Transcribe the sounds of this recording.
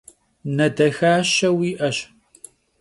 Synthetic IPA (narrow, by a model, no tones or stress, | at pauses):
nɐdɐxaːʃɐwiːʔɐɕ